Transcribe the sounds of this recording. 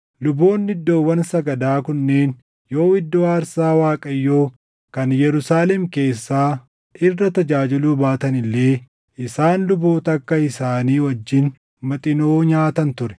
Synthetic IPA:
lʊbo̞ːnːɪd̪ːo̞ːwːɐnsɐɡɐd̪aːkʊnːe̞ːn | jo̞ːwɪd̪ːoːaːɾsaːwaːkʼɐjːo̞ː | kɐnjɛɾʊsaːlɛmke̞ːsːaː | ʔɪrːɐt̪ɐd͡ʒaːd͡ʒɪluːbaːt̪ɐnɪlːe̞ː | ʔɪsaːnlʊboːt̪ɐkːɐɪsaːniːwɐd͡ʒːɪn | mɐt̪ʼɪnoːɲaːt̪ɐnt̪ʊɾɛ̥

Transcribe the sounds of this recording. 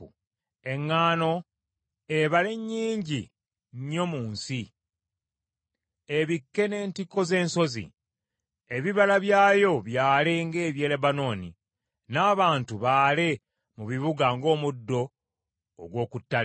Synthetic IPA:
ṵ | e̞ŋːaːno̞ | eβale̞ɲːiːɲɟi | ɲːo̞muːnsi | eβikːe̞ne̞ːntikːo̞ze̞ːnso̞zḭ | eβiβalaβjaːjo̞βjaːleŋɡe̞ːβje̞ːlebano̞ːnḭ | naːβaːntuβaːle̞ | muβiβuɡaŋɡo̞ːmudːo̞̰ː | ɡwo̞ːkutːa

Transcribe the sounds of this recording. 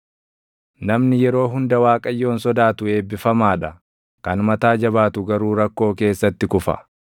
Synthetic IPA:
nɐmnɪjɛɾo̞ːɦʊnd̪ɐwaːkʼɐjːo̞ːnsɔd̪aːt̪ʊe̞ːbːɪfɐmaːᶑɐ | kɐnmɐt̪aːd͡ʒɐβaːt̪ʊɡɐɾuːɾɐkːo̞ːke̞ːsːɐt̪ːɪkʊfɐ̰

